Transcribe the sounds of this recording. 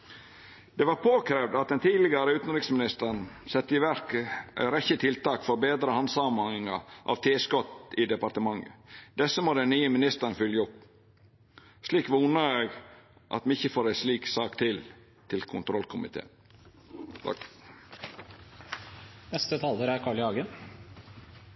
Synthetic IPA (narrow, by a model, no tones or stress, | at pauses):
d̪ɛʋɑːɾpʰoːkʰɾeːʋd̪ɑt̪̚d̪ɛnt̪ʰiːdlɪɡɑɾəʉːt̪n̩ɾɪksmɪnɪst̪əɳ̩sɛt̪ːəɪʋæɾkəæ̰ɾɛçət̪ʰɪlt̪ɑːkfɔɾbeːd̪ɾəhɑnsɑːmɑŋɪŋɑʔɑ̰ʋt̪ʰeːskɔt̪ɪd̪ɛpɑɾt̪əmɑŋːə̰d̪̥ɛsːəmoːd̪ɛnnyːəmɪnɪst̪əɾnfʏljəʊp | sliːkʋuːnəɾeːɡ | ʔɑ̰t̪mɪçəfoːɾæɪsliːksɑːkt̪ʰɪl | t̪ʰɪlkʰʊnt̪ʰɾɔlkʰʊmɪ̰t̪ʰḛːnʰ | nɛst̪ət̪ʰɑləɾæɾkʰɑːɭɪɑːɡən